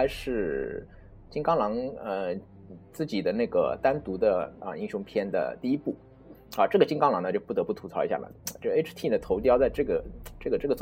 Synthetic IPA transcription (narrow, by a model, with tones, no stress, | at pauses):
a˧˥ɪʂɻ̩˥˧ | t͡ɕi˥ŋkɑ˥ŋlɑ˧˥ŋə˧ | t͡sɹ̩˥˩t͡ɕi˨˩d̪ə˦na˥˩ɪɡə̰˩t̪a˥nt̪u˧˥d̪ə˧ə̰˧˩i˥ŋɕjʊ˧˥ŋpʰjɛ˥nd̪ə̰˨t̪i˥˩i˥pu˥˩ | ɐ˥˧˩ʈ͡ʂɤ˥˩ɡə˩t͡ɕi˥ŋkɑ˥ŋlɑ˧˥ŋnə˧t͡ɕo˥˩pu˥˩t̪ɤ˧˥pu˥˩t̪ʰu˧˥t͡sʰɑ˥ʊi˧˥ɕja̰˥˩lə̰˩˧t͡ɕo˥˩˧e˥ɪʈ͡ʂʰt̪ʰi˥˩nə˩t̪ʰo˧˥ʊt̪̬jɑ˥ʊt͡sa˥˧ɪʈ͡ʂɤ˥˩ɡə˩ʈ͡ʂɤ˥˩ɡə˩ʈ͡ʂɤ˥˩ɡə˩t͡s